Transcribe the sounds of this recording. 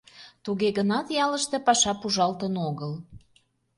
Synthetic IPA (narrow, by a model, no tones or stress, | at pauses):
t̪uɣeɣənɑt̪jɑləʃt̪e̽pɑʃɑpuʒɑlt̪ənoɣəl